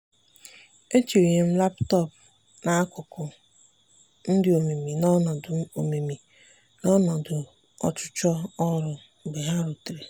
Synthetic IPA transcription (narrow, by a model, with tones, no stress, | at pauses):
e˦t͡ʃi˨o˨ɲe˨m̩˦la˦ptɔ˦˨p̚ | na˨a˦kʷʊ˨kʊ˨ | n̩˦dɪ˦o˨me˨mi˨nɔ˦nɔ˨dʊ˨o˨me˨mi˨ | nɔ˦nɔ˨dʊ˨ | ɔ̰˨t͡ʃʊ̥˦t͡ʃɔ˦ɔ˦ɾʊ˨ | be˨ɦa˦ɾu˨tɾe˨